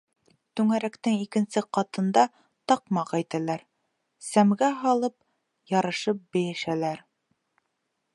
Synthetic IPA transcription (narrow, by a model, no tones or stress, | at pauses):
t̪ʉŋæɾækt̪ɘŋikɘ̆nsɘqɑt̪ɤ̆nd̪ɑ | t̪ɑqmɑqæjt̪ælæɾ | sæmɡæɦɑlˠɤp̚ | jɑɾɤ̆ʃɤp̚bɘ̆jɘ̆ʃælæɾ